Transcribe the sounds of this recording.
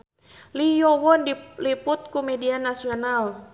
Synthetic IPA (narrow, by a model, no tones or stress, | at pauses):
lijɔwɔnliput̪̚kumɛdianasiɔnal